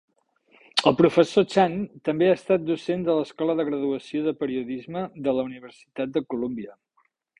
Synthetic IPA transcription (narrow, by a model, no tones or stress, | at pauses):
əlˠpɾufəsot͡ʃant̪əmbeaːst̪at̪̚d̪usend̪ələskɔləðəɣɾəðuəsioðəpəɾiuðizməðələuniβ̞əɾsi̥t̪at̪̚d̪əkulombiə